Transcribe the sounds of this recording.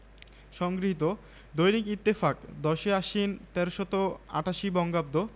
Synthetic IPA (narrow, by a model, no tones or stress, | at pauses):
ʃɔŋɡɾiɦit̪̬o | d̪ojnikit̪ːefakd̪ɔʃeaʃint̪ɛɾʃɔt̪oa̰ʈaʃibɔŋɡab̚d̪o